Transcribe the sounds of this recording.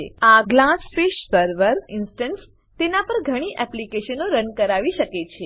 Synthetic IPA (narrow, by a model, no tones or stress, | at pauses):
eaɡlasfeʃsəɾʋəɾinsʈəns | t̪enapəɾɡʱəɽ̃iʔɛplikeʃənoɾənkəɾaʋiʃəket͡ʃʰe